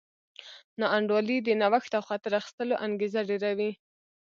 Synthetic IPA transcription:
nɑaɳɖwɑlid̪ənawaxt̪awxɑt̪ɪɾaxi̥st̪əloʔaŋɡezaɖeɾawi

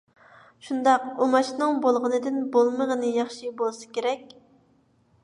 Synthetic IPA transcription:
ʃund̪ɑq̚omɑʃnɨŋbolˠʁənɨd̪ɨnbolˠməʁənɨjɑχʃibolˠsɨ̥kʲeɾɛkʲ

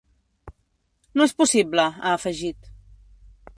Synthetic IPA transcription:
noespusibləa̰ːfəʒit̪

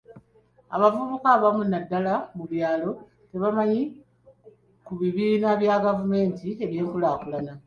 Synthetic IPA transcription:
a̰βavuβukaβamunadːalamuβjaːlo̞ | te̞βamaɲi | kuβiβiːnaβjaɡavume̞ːntie̞βje̞ːŋkulaːkulana

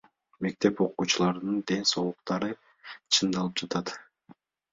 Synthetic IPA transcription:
me̞k̚t̪e̞po̞quːt͡ʃulˠɑɾɯnɯnd̪e̞nso̞lˠuq̚t̪ɑɾɯ | t͡ʃʰɯnd̪ɑlˠɯp̚d͡ʒɑt̪ɑt̪

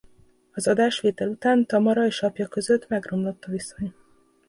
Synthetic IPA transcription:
ɒzɒd̪aːʃʋeːt̪ɛlut̪aːnt̪ɒmɒɾɒeːʃɒpjɒkø̞zø̞t̪ːmɛɡro̞mlo̞t̪ːɒviso̞ɲ

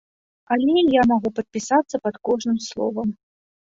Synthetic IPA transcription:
ɐlʲɛjamaɣupɐt̪̚pʲisat̪sːɐpɐt̪kɔʐnɨmslˠɔ̰vɐm

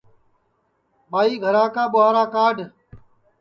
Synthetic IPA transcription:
ɓaːiːɡʱəɾaːkaːɓʊɦaːɾaːkaːɖʱ

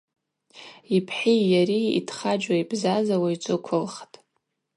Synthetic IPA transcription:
ipʰħijaɾiḭtʰχad͡ʒʷaibzazawajt͡sʰʼɨkʷʰʊlχtʼ

